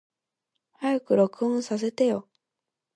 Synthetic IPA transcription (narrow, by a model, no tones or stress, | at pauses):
hajakɯ̟ɾo̞kɯ̟ɯ̃ɰ̃sas̬e̞t̪ejo̞